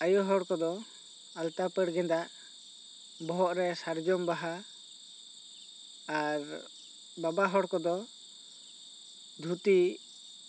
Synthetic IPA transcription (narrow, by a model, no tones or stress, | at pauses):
ajɔɦɔɽkɔd̪ɔ | alt̪apəɽɡɛnd̪aʔ | bɔɦɔʔɾɛsaɾd͡ʒɔmbaɦa | ɾ | babaɦɔɽkɔd̪ɔ | d̪ʱut̪i